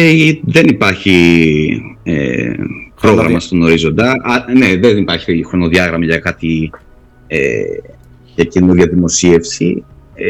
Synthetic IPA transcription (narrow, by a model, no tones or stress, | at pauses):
eðenipɐɾçi | ḛ | pɾo̞ɣɾɐmɐst̪ono̞ɾizo̞nd̪ɐɐneðenipɐɾçi̥xɾo̞no̞ðiɐɣɾɐmɐʝɐkɐt̪i | ḛ | ʝɐcinoðiɐðimo̞sie̞fsḭ